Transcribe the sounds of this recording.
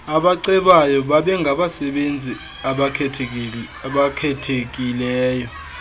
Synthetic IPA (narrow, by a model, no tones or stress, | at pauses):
aɓaǀɛɓajɔɓaɓɛŋɡʱaɓasɛɓend͡zʱi | aɓa | ɓakʰɛtʰek̬ʼilɛːjɔ